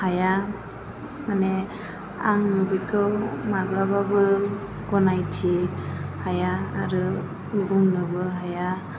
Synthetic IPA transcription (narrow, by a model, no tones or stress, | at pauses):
haja | manɛ | a̰ŋnɯbitʰɔmaɡlababɯ | ɡɔnajtʰehaja̰ːɾɯ | uɡuŋnɯbɯɦaja